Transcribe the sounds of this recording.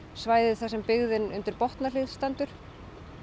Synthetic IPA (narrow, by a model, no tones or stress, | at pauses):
svaːjðɪðθasɛmpɪɣðɪnʏ̰nt̪ɪɾpɔht̪nalɪɣst̪ant̪ʏɾ̥